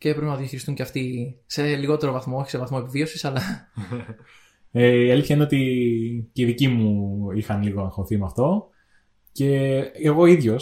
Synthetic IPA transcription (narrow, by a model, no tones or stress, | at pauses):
ceðpɾepnɐðjɐçiɾist̪uɲceɐft̪ise̞liɣo̞t̪e̞ɾovɐθmooçise̞vɐθmo̞epivio̞sisɐlɐ | eiɐliθçɐineot̪iceiðicimuixɐnliɣoɐŋxoθimeɐft̪o̞ | ce̞eɣo̞iðʝo̞s